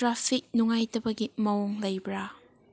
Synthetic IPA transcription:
tɾapʰik̚nuŋajtɐbɐɡimɐwɔŋlɐjbɾa

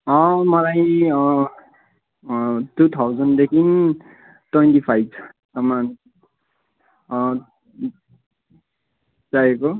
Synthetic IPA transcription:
ʌ̃mʌlajʌ | tut̪ʰawd͡zʌnd̪ekʰin | twentipʰajb̚t͡sʰʌ̥ | sʌman | d͡zaeko

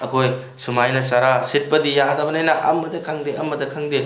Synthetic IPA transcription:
ɐkʰoj | sumajnɐsaɾasit̚pɐdijadɐbɐnajnɐʔɐmːɐdɐkʰɐŋdeɐmɐdɐkʰɐŋde

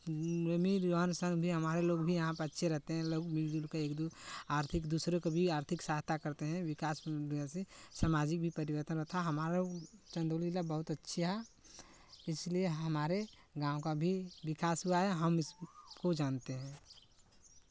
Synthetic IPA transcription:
ɾəmiɾɾoɦənsə̃ŋɡbʱiɦɐmaːɾeloːɡbʱijɐɦãpəətːʃʰeɾɛɦt̪eɦɛ̃loːɡmiɾd̪ulkeeːkd̪uaːɾt̪ʰɪkd̪usɾekebʱiaːɾt̪ʰɪksaːɦt̪akəɾt̪eɦɛ̃ʋɪkaːsiasesamaːd͡ʒɪk̚bʱipɐɾɪʋəɾt̪ənɾəɦt̪ʰaɦɐmaːɾt͡ʃə̃nd̪olilabəɦʊt̪ɐtːʃʰiɦɛ | ɪslieɦəmaːɾe | ɡãːõkabʱiʋɪkaːsɦuaɦɛɦəmɪskod͡ʒaːnt̪eɦɛ̃ː

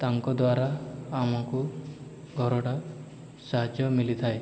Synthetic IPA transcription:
t̪aŋkɔd̪waɾaːmɔku | ɡʱɔɾɔɽa | saɦad͡ʒjɔmilit̪ʰae

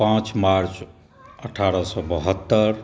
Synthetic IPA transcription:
pãt͡ʃmaɾt͡ʃ | əʈʰaɾəsɔbəɦət̪ːəɾ

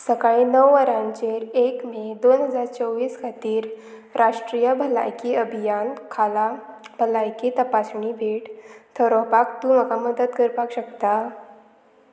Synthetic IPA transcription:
səkaɭinəwːəɾãɲt͡ɕeɾekmed̪onɦəd͡zaɾt͡səwʋiːskʰat̪iːɾ | ɾʔaʂʈɾijəbʱəla̰jkiəbʱijankʰalabʱəlajkit̪əpasɳibʱeʈt̪ʰəɾɔpakt̪ũməkaməd̪əd̪̚kəɾpakɕəkt̪a

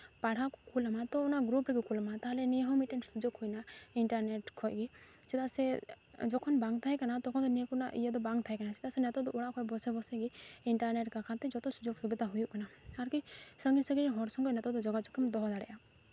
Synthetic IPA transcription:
paɽ̤akɔkʰulamat̪ɔunaɡɾupɾikɔkʰulmat̪aɦleniɦɔmiʈeɳst̪ud͡ʒokʰujnaiɳʈaɾneʈkʰɔjɡi | t͡ʃit̪asɛ | d͡ʒɔkʰɔnbaŋɡt̪ʰaɦɛkanat̪ɔkʰɔnd̪ɔnikuna̰ʔḭjad̪ɔbaŋɡt̪ʰajkanat͡ʃit̪asɛnɛt̪ɔd̪ɔoɽakʰɔjbɔsebɔsɛɡiiɳʈaɾneʈkakʰat̪id͡ʒɔt̪ɔsud͡ʒoɡsubid̪aɦujuʔkanaaɾkisəŋɡinsəɡiɦɔɾsɔŋɡɔnɛt̪ɔd̪ɔd͡ʒɔɡat͡ʃɔkʰimd̪ɔɦd̪aɽɛ̰ʔa

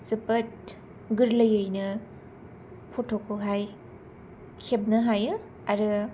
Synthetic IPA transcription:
sɯpɐt̚ | ɡɯɾləjɯjnɯ | pʰɔtʰokʰɯɦaj | kʰeb̚nɯɦajɯ | aɾɯ

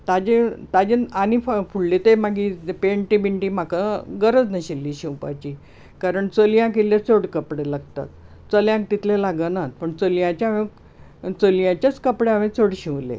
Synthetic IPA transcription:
t̪ad͡ʑet̪ad͡ʑenaniffuɭlet̪emaɡipeɳʈibiɳʈiːm̤akaɡəɾəd͡znəɕilːiːɕĩwpa̰t͡ɕiː | kaɾəɳt͡səljãk̬elat͡soɽkəpɽelaɡt̪a̰k̪ | t͡səljãk̚t̪it̪ʰlelaɡənat̪̚pəɳt͡səljãt͡ɕaaʋe | t͡səlijãt͡ɕat͡skəpɽeaʋẽt͡soɽɕĩʋlḛ

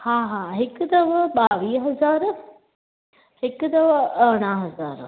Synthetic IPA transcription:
hãːɦãːɦekd̪ɐʋəbaːʋiːɦɐzaːɾ | hekd̪ɐʋəəɳaːɦɐzaːɾ

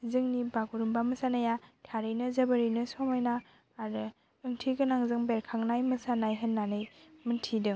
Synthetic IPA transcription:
zɯŋnibaɡuɾumbamɯsanajatʰaɾɯjnɯzɐbɐɾɯjnɯsɔmajnaː | ɾɯ | ɯŋtʰiɡɯnaŋzɯŋbeɾkʰaŋnajmɯsanajɦɯnːanɯjmɯntʰidɯŋ

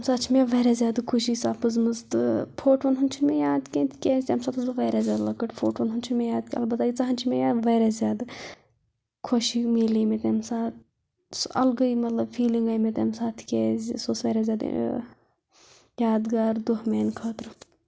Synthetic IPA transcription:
msaːt͡ʃʰimeʋeːɾɛzjaːd̪ɨkʰuʃiːsaːpɨzmɨzt̪ɨpʰoːʈʋɐnɦunt͡ʃʰimejaːd̪kʲẽːnt̪ʰkʲeːsʲemsaːt̪ɨzɐʋɐːɾazʲjaːd̪lɐkɐʈpʰoːʈʋɐnɦunt͡ʃʰimejaːd̪kʲːɐ̰lbɐt̪aːit͡sɐɦɐnt͡ʃʰimejaːd̪ʋeːɾɛzʲjaːd̪ɨ | kʰoʃimeːliːmet̪emsaːt̪ | sɐ̰lɡɐimɐt̪lɐbfiːliŋɡaːjmet̪emsaːt̪ʰkʲeːzʲsoːsʋɐːɾɛzʲjaːd̪̰ | jaːd̪ɡaːɾd̪oɦmeːnkʰɐːt̪ɾɨ

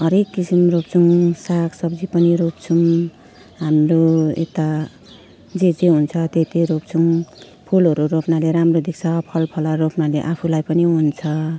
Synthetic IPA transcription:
ɦʌɾekːisimrop̚t͡sʰuŋsaksʌbd͡zipʌniɾopt͡sʰum | ɦamroḛt̪a | d͡zed͡zeɦunt͡sʰʌt̪et̪iɾop̚t͡sʰuŋ | pʰulɦʌɾuɾopnaleɾamrod̪ek̚t͡sʰʌpʰʌlpʰʌlʌɾopnaleʔapʰulajpʌniɦunt͡sʰʌ

